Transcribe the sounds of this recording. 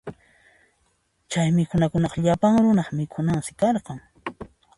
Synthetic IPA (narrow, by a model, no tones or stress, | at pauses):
t͡ʃajmɪkʰʊnakʊnɑqɑʎapaŋɾʊnɑχmɪkʰʊnaŋsɪ̥kɑɾqɑŋ